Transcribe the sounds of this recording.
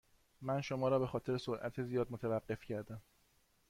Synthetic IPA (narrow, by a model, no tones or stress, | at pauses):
mænʃo̞mɒːɾɒːbe̞xɒːt̪ʰe̞ɾesoɾʔæ̰t̪ʰezijɒːd̪̚mot̪ʰævæɢːe̞fcʰæɾd̪æm